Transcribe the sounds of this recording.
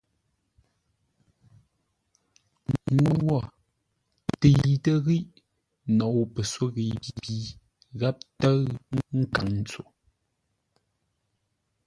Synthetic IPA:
ŋwowɔ˦˨ | te˨jtə˦ɣi˦ʔ | nɔ˨pə˨swo˦ɣi˨bi˦bi˦ | ɣa˦p̚tə˦ɣŋ̩˦ŋ̩˦ka˨ŋn̩˦t͡so˨

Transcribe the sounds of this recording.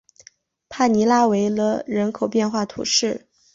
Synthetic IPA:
pʰa˥˩ni˧˥la˥we˧˥ɪlə˧ɻə˧˥nkʰo˨˩ʊpjɛ˥˧nxwa˥˩t̪ʰṵ˨˧˩ʂɻ̩˥˩

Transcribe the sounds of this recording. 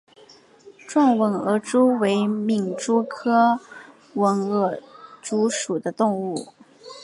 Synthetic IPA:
ʈ͡ʂwɑ˥˩ŋwə˧˥nɤ˧˥ʈ͡ʂu˥we˧˥ɪmi˨˩ŋʈ͡ʂu˥kʰɤ˥ | wə˧˥nɤ˥˩ʈ͡ʂu˧˥ʂu˨˩d̪ə˦t̪ʊ˥˧ŋu˥˩

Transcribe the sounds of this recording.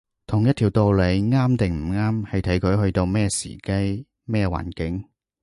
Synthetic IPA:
t̪ʰʊ˨˩ŋjɐ˥t̪ʰi˨˩wt̪o˧wle˨˧jŋaː˥mt̪ɪ˨ŋm̩˨˩ŋaː˥mhɐ˨jt̪ʰɐ˨˥jkʰɵ˨˧ɥhɵ˧ɥt̪o˧wmɛː˥sḭ˨˩kɐ˥j | mɛː˥wa̰ː˨˩nkɪ˨˥ŋ

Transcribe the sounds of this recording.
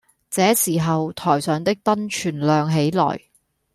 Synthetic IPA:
t͡sɛː˨˥siː˨˩ɦɐ˨wt̪ʰɔː˨˩jsœː˨˧ŋt̪ɪ˥k̚t̪ɐ˥nt͡ʃʰyː˨˩nlœː˨ŋɦe˨˥jlɔ̰ː˨˩j

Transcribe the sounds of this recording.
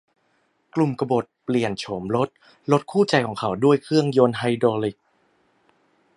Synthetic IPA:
klu˨˩mka˧bo˨˩t̪̚pli˨˩ənt͡ɕʰoː˩˦mɾo˦˥t̪̚ | lo˦˥t̪̚kʰuː˥˩t͡ɕa˧jkʰɔː˩˦ŋkʰa˩˥wdu˥˩əjkʰɾɯ˥˩əŋjo˧nɦa˧jdoː˧li˨˩k̚

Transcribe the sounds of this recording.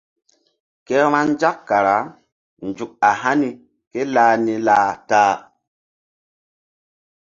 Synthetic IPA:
ke˦ɾ̃a˦nd͡ʒa˦kːa˨ɾa˨˦ | nd͡ʒu˨k̚a˨ɦa˦ni˨ | ke˦laː˨ni˦laː˦taː˦

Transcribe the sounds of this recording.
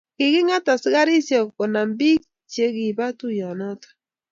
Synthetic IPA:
kɪ˨ɣɪ˦ŋa˦ta˨sɪ˦ɣa˦ɾi˦sjɔ˨kɔ˨na˨mbi˦k | t͡ʃje˦ɣi˨βa˦tu˦jɔ˨nɔ˦tḁ˨

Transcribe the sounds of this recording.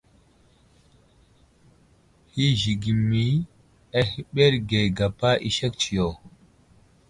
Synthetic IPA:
hi˦ʒi˨ɡi˨mːi˨˦ | a˦hi˦ɓe˦ɾɡe˨ɡa˨pa˦ʔḭ˦ʃe˦k̚t͡ʃi˨jo˨

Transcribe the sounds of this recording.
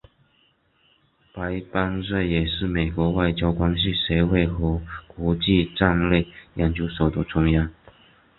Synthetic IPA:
pa˧˥ɪpa˥nswe˥˩ɪjɛ˨˩ʂɻ̩˥˩me˨˩ɪkwɔ˧˥wa˥˩ɪt͡ɕjɑ˥ʊkwa˥nɕ̬i˨ʂe˧˥ɪwe˥˩ɪxɤ˧˥kwɔ˧˥t͡ɕi˥˧ʈ͡ʂa˥˧ŋle˥˩ɪja˨˩nt͡ɕju˧˥ʂo˨˩ʊd̪ə˦ʈ͡ʂʰʊ˥ŋja˥˩n

